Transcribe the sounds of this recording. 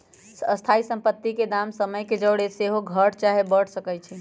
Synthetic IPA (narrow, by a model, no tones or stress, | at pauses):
səst̪ʰaisəmpət̪ːiked̪amsəməjked͡ʒəɽeseɦoɡʱəɾt͡ʃaɦebəɽ̤səkɛjt͡ʃʰi